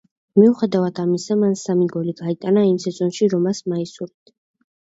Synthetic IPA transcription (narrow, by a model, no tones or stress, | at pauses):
miuχɛd̪avad̪ʰamisamansamiɡɔliɡait̪ʼanaimsɛzʼɔnʃiɾɔmasmaisuɾt̪ʰ